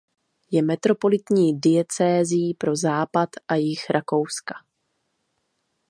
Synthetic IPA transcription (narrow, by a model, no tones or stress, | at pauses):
jɛmɛt̪ɾo̞po̞lɪt̪ɲiːdɪɛt͡sɛːzɪjːpɾo̞zaːpat̪ʔajɪxɾʔako̞wskḁ